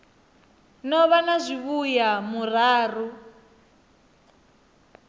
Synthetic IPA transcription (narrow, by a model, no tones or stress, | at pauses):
nɔβanazʷiβujamuraːru